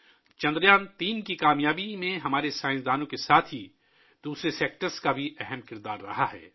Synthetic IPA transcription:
t͡ʃɐ̃nd̪ɾjaːnt̪iːnkikaːmjaːbimẽɦɐmaːɾesaːɪ̃nsd̪aːnõkesaːt̪ʰɦi | d̪̥uːsɾeseːk̚ʈəɾskabʱiʔɛɦɛmkɪɾd̪aːɾːɐ̰ɦaɦɛ̰ː

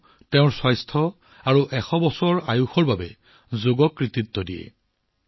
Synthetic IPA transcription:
tɛʊ̃ɹswɔjstʰɔ | aɹuʔɛxɔbɔsɔɹajuxɔɹbabɛ | zoɡɔkɹititːɔdijɛ̰

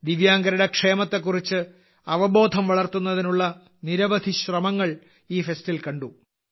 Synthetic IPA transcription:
d̪iʋjaːŋɡɐɾɐɽekʂe̞ːmɐt̪ːe̞k̬ːurit͡ɕːɨ | ɐʋɐbo̞ːd̪ʱɐmʋɐɭɐrt̪unːɐðinuɭːɐ | niɾɐʋɐd̪ʱiɕrɐmɐŋːɐɭ | iːfe̞stilkɐɳɖu

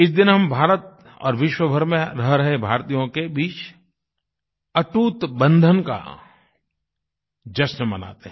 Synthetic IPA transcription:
ɪsd̪ɪnɦɐmbʱaːɾət̪ | ɔ̰ːɾʋɪʃwəbʱəɾmẽɾɐɦɾɐɦebʱaːɾt̪ijõkebiːt͡ʃ | ɐʈuːt̪bɐ̃nd̪ʱənka̰ | d͡ʒɐsnmɐna̰ːt̪eɦ

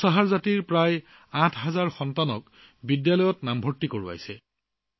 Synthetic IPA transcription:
saɦaɹzatiɹpɹaj | ãtʰɦazaɹxɔntanɔk | bidjalɔjɔtnambʱɔɹtːikoɹua̰jsɛ

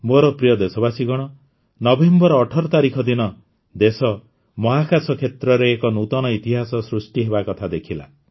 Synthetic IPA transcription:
moɾɔpɾijɔd̪esɔbasiɡɔɽ̃ɔ | nɔbembɔɾɔːʈʰɔɾɔt̪aɾikʰɔd̪inɔ | d̪esɔ | mɔɦakasɔkʰet̪ɾɔɾeːkɔnut̪ɔñɔit̪iɦasɔsɾusʈiɦeβakɔt̪ʰad̪ekʰila̰

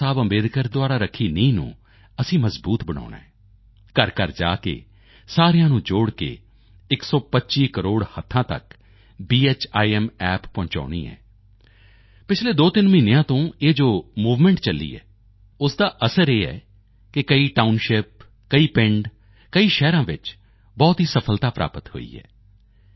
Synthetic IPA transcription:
aːbə̃mbeːd̪kəɾd̪ʊaːɾaːɾəkʰːiːnəĩːnṵ̃ː | əsĩːməzbuːt̪bəɽ̃a̰ːɳa̰ːɛː | kəɾkəɾd͡ʒa̰ːkḛː | saːɾejãːnũːd͡ʒoːɽkḛː | ɪksɔːpətːʃiːkəɾoːɽhət̪ʰːãːt̪ə̰k | biːeːt͡ʃaːiɛmɛːpːɔ̃ːɲt͡ʃa̰ːɽ̃ḭːɦɛ̰ː | pɪt͡ʃʰleːd̪oːt̪ɪnmĩːnejãːt̪õːeːd͡ʒoːmuːʋmɛ̃ɳʈt͡ʃəlːḭːɛ̰ː | ʊsd̪aːʔəsəɾeːɦɛ̰ː | kɪkəiːʈaːʊnʃɪp̚ | kəiːpɪɳɖ | kəiːʃɛːɾãːʋɪt͡ʃ | bɔːt̪ɦiːsəpʰəlt̪aːpɾa̰ːpət̪ho̰ːḭːɦɛ̰ː

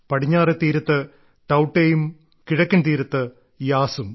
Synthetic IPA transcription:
pɐɽiɲːaːret̪ːiːɾɐt̪ːɨ | ʈɐwʈːeːjum | kiɻɐkʲːɐnt̪iːɾɐt̪ːɨ | jaːsum

